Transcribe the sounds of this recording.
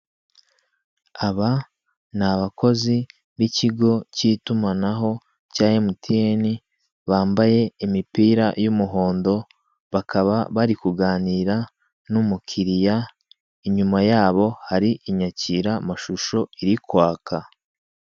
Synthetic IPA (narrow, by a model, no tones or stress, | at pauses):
aβa | naβako̞zi | βiciɡo̞ciːtumanaɦo̞ | caːɲemutieni | βaːmbaje̞imipiːɾajumuɦo̞ːndo̞ | βakʰaβaβaɾikuɡaːniɾa | numukʰiɾija | iɲumajaːβo̞haɾiʔiɲaciːɾamaʃuʃo̞iɾikwaːkʰa